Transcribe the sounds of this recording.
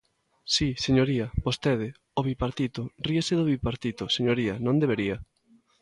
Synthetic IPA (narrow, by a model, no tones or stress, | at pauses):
siseɲoɾiɐbost̪eð̞ɪ | oβipaɾt̪it̪ʊriaseðoβipaɾt̪it̪oseɲoɾiɐnõnd̪eβeɾiɐ